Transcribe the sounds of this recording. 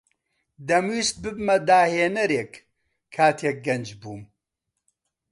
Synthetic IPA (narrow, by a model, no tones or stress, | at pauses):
d̪ɐmwiːst̪̚bɨbmɐd̪aːheːnɐɾeːk | kʰːaːt̪ʰeːk̚ɡɐnd͡ʒbuːm